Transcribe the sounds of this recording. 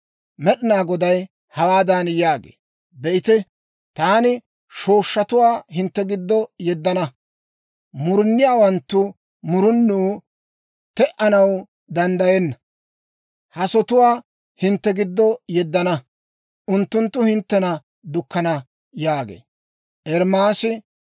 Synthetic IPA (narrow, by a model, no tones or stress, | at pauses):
mɛɗɪnaːɡɔd̪ɐj | hɐwaːd̪anjaːɡḛː | bɛʔɪt̪ɛ | t̪aːnɪ | ʃo̞ːʃːɐt̪ʊwaːɦɪnt̪ːɛɡɪd̪ːɔjɛd̪ːɐnɐ | mʊɾɪnːɪjaːwɐnt̪ːʊ | mʊɾʊnːu | t̪ɛʔɐnɐw | d̪ɐnd̪ɐjɛnːɐ | hɐsɔt̪ʊwaː | hɪnt̪ːɛɡɪd̪ːɔjɛd̪ːɐnɐ | ʔʊnt̪ːʊnt̪ːʊhɪnt̪ːɛnɐ | d̪ʊkːɐnɐ | jaːɡḛː | ʔɛɾmaːsɪ